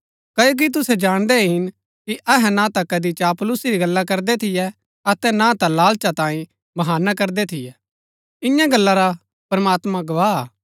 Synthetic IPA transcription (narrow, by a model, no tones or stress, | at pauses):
kɐjok̬it̪̬ʊsɛd͡ʒaːɽ̃d̪ɛɦɪn | kiʔɐɦɛnãt̪akɐd̪it͡ʃapʊlʊsiɾiɡɐlːakɐɾd̪ɛt̪ʰɪjɛ | ɐt̪ɛnãt̪alaːlt͡ʃat̪ãːĩ | bɐɦaːnakɐɾd̪ɛt̪ʰɪjɛ | ɪ̃jãɡɐlːaɾa | pɐɾmaːt̪mãɡɐʋaːɦaː